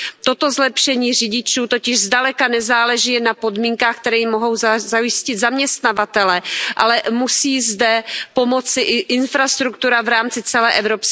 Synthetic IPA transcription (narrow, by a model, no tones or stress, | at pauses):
t̪o̞t̪o̞zlɛpʃɛɲiːr̝ɪɟɪt͡ʃuːt̪o̞cɪʒzdalɛkanɛzaːlɛʒɪnapo̞dmiːŋkaːxk̚t̪ɛɾɛːjɪmːoɦo̞wzajɪscɪd̪zamɲɛst̪navat̪ɛlɛʔa̰lɛmusiːzdɛpo̞mo̞t͡sɪʔʔɪnfɾast̪ɾukt̪uɾavɾaːmt͡sɪt͡sɛlɛːʔɛvɾops